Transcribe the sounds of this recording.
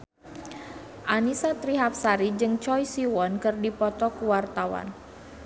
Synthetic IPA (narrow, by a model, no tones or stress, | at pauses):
ʔanisat̪ɾiɦap̚saɾid͡ʒɨŋt͡ʃɔjsiwɔnkɨrdipɔt̪ɔkuwart̪awa̰n